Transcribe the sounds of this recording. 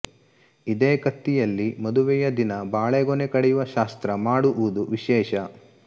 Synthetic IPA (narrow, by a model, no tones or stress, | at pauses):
id̪eːkɐt̪ːijɐlːimɐd̪uʋɛjɐd̪inɐbaːɭeɡonekɐɽɛjuʋɐʃaːst̪ɾɐmaːɽuʔuud̪uʋiʃɛːʃɐ